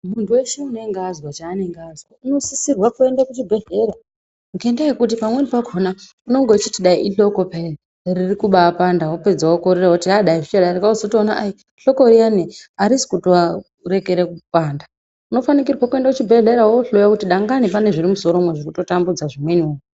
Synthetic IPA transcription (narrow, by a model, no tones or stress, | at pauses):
muntʰuwe̞ʃeunoeŋɡazwat͡ʃaːneŋɡazwauno̞sisirwakue̞ndakut͡ʃibʱe̞ɮe̞ɾa | mukendajekut̬ipamwenipaɡʱona | uno̞ŋɡot͡ʃitiɗaiʔiɬo̞kopere | ririkuɓaːpandawope̞d͡zawokoɾiɾaoutiɦaɗaiʐit͡ʃaɗaɾekaozotoːnaʔai | ɬo̞koɾianeaɾisi̥kutoa | rekeɾekupaːnda | uno̞fanik̬irwakue̞ndakut͡ʃibʱe̞ɮe̞ɾawoɬojakutiɗaŋɡanipaneʐiɾimuso̞ɾomweʐikuto̞tambud͡zaʐimwenioi